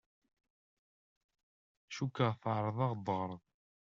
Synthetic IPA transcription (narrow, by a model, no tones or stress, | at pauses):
ʃukːəʁθaʕɾˤəðˤɑʁd̪ˤəɾˤ